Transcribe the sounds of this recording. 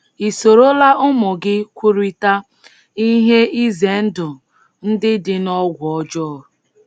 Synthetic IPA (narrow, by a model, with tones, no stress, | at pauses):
i˨so˨ɾo˦la˦ʔʊ˦mʊ˨ɡɪ˦kʷu˦ɾi˦ta˦ | i˦ɦe˦i˦ze˨n̩˦dʊ˨ | n̩˦dɪ˦dɪ˨nɔ˦ɡʷɔ˦d͡ʒɔ˦˨